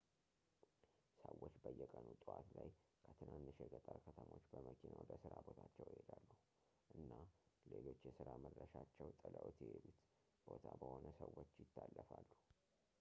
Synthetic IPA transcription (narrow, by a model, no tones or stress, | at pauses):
səwːot͡ʃːbəjːɛkʼənut̪ʼwat̪lajkʰət̪ʰɨnʔanːɨʃɛɡət̪ʼaɾkʰət̪ʰəmo̞t͡ʃːbəməkʰinawd̪əsɨɾabo̞t̪ʰat͡ʃːɛwjhed̪alːuhu | ʔɨnːale̞lo̞t͡ʃːjɛsɨɾaməd̪ɾəʃat͡ʃːɛwt̪ʼələwot̪jɛhed̪ut̪ | b̥o̞t̪ʰabəho̞nəsəwːot͡ʃːjɪt̪ːalːəfalːu